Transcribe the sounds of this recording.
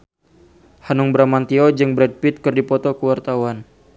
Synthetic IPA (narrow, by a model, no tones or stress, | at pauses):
hanuŋbəɾamant̪iɔd͡ʒɨŋbɾɛd̚pit̪̚kɨrdipɔt̪ɔkəwart̪awan